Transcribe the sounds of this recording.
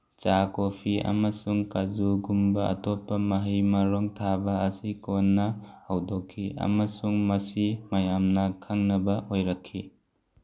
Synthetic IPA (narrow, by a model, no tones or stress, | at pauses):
t͡ʃakopʰiɐ̰mɐsuŋkazuɡumbɐɐ̰tɔpːɐmɐɦijmɐɾɔŋtʰabɐːsikonːɐhɐwdokʰːiɐ̰mɐsuŋmɐsimɐjamnɐkʰaŋnɐbɐhojɾɐkʰːi